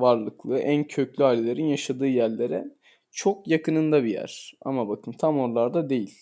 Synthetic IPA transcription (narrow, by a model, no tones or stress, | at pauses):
vaɾlˠɯklˠɯːʔæncʰø̞clʲyaːlʲːelʲeɾinjaʃad̪ɯːjæɾlʲeɾɛ | t͡ʃʰo̞kjakʰɯnɯnd̪abijæ̰ɾ̥a̰mabakʰɯmt̪ʰamo̞ɾlˠaɾd̪ad̪e̞jilʲ